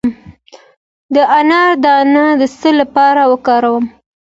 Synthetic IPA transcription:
m | d̪əʔanɑɾd̪ɑnad̪əsəlapɑɾawəkɑɾawəm

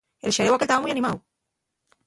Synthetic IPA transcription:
elʃeɾewakelt̪amamujanimaw

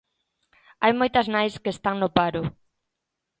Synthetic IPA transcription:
ajmojt̪ɐznajskeːst̪aŋnopaɾʊ

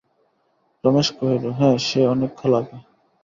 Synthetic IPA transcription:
pɾɔmeʃkoɦeɾoɦɛ̃ʃeɔnekʰːɔlaka

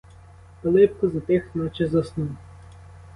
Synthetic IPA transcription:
pɐlˠɪp̚kɔzɐt̪ɪxnɔt͡ʃɛzɐsnu

